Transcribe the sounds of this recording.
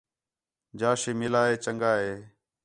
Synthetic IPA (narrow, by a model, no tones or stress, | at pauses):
d͡ʒaːʃeːmelaːɦeːt͡ʃəŋɡaːɦeː